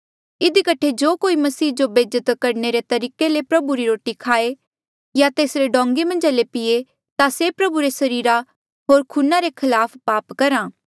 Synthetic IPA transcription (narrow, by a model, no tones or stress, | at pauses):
ɪd̪ikəʈʰed͡ʒoːkoːimɐsiːd͡ʒobeːd͡ʒət̪kɐɾneɾet̪ɐɾiːkelepɾɐbuɾiɾoːʈikʰaːe | jat̪eːsɾeɖɔ̃ːŋɡemɐ̃nd͡ʒalepɪe | t̪asepɾɐbuɾesɐɾiːɾa | ɦoːɾkʰuːnaɾekʰɪlaːpʰpaːpkɐɾãː